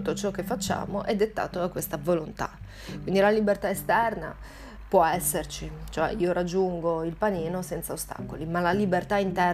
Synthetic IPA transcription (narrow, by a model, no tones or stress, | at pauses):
ut̪ːot͡ʃɔk̟ːefːat͡ʃːa̰ːmoʔɛd̪ːet̪ːa̰ːt̪oakːwest̪avolont̪a̰ | kwind̪ilalibert̪aest̪ɛrna̰ | pwɔɛsːert͡ʃit͡ʃoɛ̰iːoɾad͡ʒːuŋɡoilpaniːnosɛnt̪saost̪a̰kolimalalibert̪aint̪ɛ